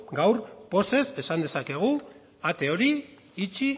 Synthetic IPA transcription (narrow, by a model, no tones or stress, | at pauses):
ɡawɾpo̞se̞se̞sand̪e̞sake̞ɣ̞u | at̪e̞o̞ɾi | it͡ʃi